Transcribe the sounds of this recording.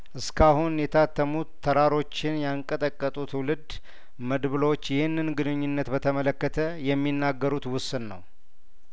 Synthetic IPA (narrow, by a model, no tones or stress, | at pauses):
ʔɨskʰahunjɛt̪ʰat̪ːəmut̪ʰːəɾaɾo̞t͡ʃːɪnjaŋkʼət̪ʼəkʼːət̪ʼut̪ʰwlɨd̪ | məd̪βɨlot͡ʃːjɛhɨnːɨnɡɨnɨɲːɪnːət̪bət̪ʰəmələkːət̪ʰəjɛmːinːaɡːəɾut̪wʊsɨnːə̰w